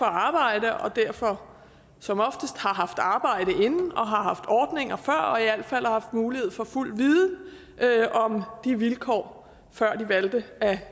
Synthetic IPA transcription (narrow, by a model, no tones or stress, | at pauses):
fɒ̽ɑ̈ːb̥ɑ̈ɪ̰d̥əʔɒ̽d̥æɐ̰fɒ̽ | sɒ̽mɒ̽fd̥əsd̥hɑ̈ɦɑ̈fd̥ɑ̈ːb̥ɑ̈ɪ̰ɾ̥əʔe̝nn̩ɒ̽ɦɑ̈ɦɑ̈fd̥ɒːd̥ne̝ŋ̰ɐfɶɐ̰ɒ̽iæl̰̥fæl̰hɑ̈fd̥muːlihe̝ð̞̰ˠfɒ̽ful̰d̥ʋiːð̩ˠ | ʔøɒ̽md̥iʋilkʰɒ̰ː | fɶɐ̰d̥iʋæld̥əæ